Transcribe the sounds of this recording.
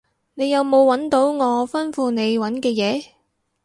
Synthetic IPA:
ne˨˧jɐ˨˧wmo˨˧wːɐ˨˥nt̪o˨˥wŋɔː˨˧fɐ˥nfuː˧ne˨˧jwɐ˨˥nkɛː˧jɛː˨˧

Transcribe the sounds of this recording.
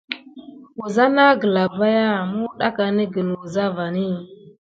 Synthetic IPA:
u˨za˦na˦ɡə˨la˨ba˦ja˦mu˦ɗa˦ka˨ni˦ɡə˨nu˨za˦va˨ni˦

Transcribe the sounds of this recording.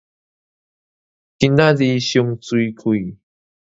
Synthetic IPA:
kina˦zi˧ɕu˧ŋt͡su˧jkʰu˨j

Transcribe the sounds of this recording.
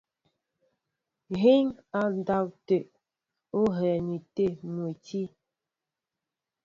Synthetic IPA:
ɣi˦ŋa˨n˦da˦˨wte˨ʔ | o˦ɦɛ˨ni˨te˦mu˨ti˦

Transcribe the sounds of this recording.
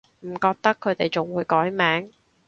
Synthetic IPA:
m̩˨˩kɔː˧k̚t̪ɐ˥kʰːɵ˨˧ɥt̪e˨˩jt͡sʊ˨ŋwuː˨˧jkɔː˨˥jmɛː˨˥ŋ

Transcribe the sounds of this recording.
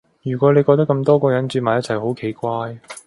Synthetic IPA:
jyː˨˩kʷɔː˨˥le˨˧jkɔː˧t̪̬kːɐ˧mt̪ɔː˥kɔː˧jɐ˨˥nt͡ʃyː˧t̚maː˨jɐ˥t̚t͡sʰɐ˨˩jho˨˥wkʰe˨˩jkʷaː˧j

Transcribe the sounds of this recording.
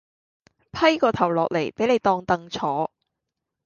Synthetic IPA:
pʰɐ˥jkɔː˧t̪ʰɐ˨˩wlɔː˨k̚le˨˩jpe˨˥jne˨˧jt̪ɔː˧ŋt̪ɐ˧ŋt͡sʰɔː˨˥

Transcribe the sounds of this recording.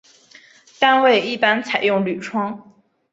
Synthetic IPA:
t̪a˥nwe˥˧˩ɪi˥˩pa˥nt͡sʰa˨˩ɪjʊ˥˩ŋly˨˩ʈ͡ʂʰwɑ˥ŋ

